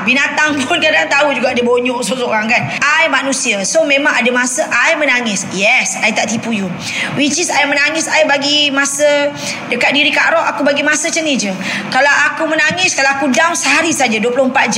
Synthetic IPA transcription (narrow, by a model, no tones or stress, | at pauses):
binat̪aŋpʊnkadaŋt̪aud͡ʒuɡaʔadəboɲɔʔsoʔsoɾaŋkanajmanũsiəsomẽmãŋadəmasəʔajmənaŋɪsjɛsajt̪aʔt̪ipuju | wit͡ʃisajəmənaŋɪsajbaɡimasə | dəkat̪̚diɾika̰ʔɾɔʔakubaɡimasət͡ʃənid͡ʒə | kalawakumənaŋɪskalawakudaŋsəɦaɾisad͡ʒaduəplʊhəmpat̪̚d͡ʒ